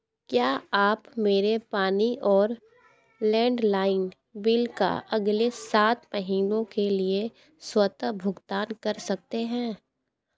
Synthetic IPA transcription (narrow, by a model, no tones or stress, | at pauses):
kjaːaːpmeːɾepaːniʔɔːɾ | lɛ̃ːɳɖlaːɪn | bɪlka̰ʔɐɡlesaːt̪mɐɦiːnõkelie | swɐt̪əbʱʊɡt̪aːnkɐɾsɐk̚t̪eɦɛ̃ː